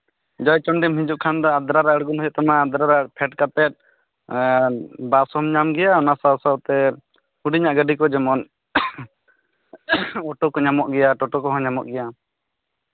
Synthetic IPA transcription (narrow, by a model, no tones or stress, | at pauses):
d͡ʒɔjt͡ʃɔɳɖɛmɦĩɲd͡ʒuʔkʰand̪ɔad̪ɾaɾaɽɡunɦɔjɔʔt̪amaːd̪ɾaɾaɽpʰɛʈ̚kat̪ɛt̪̚ | basɔmɲamɡɛjaɔnasawsawt̪ɛ | huɖiɲaʔɡəɖikɔd͡ʒɛmɔn | ɔʈɔkɔɲamɔʔɡɛjaʈɔʈɔkɔɦɔ̃ɲamɔ̰ʔɡɛja